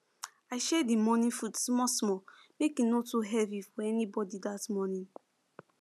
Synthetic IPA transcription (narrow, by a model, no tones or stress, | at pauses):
aɪʃɛdimɔnĩnfutsmɔsmɔmekĩnotuɦɛvifɔɛnibɔdidatmɔnĩn